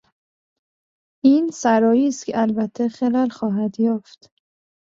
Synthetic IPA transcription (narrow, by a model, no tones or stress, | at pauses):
ʔiːnsæɾɒːjiːst̪cʰeælbæt̪ʰːexelælxɒːɦæd̪jɒːft̪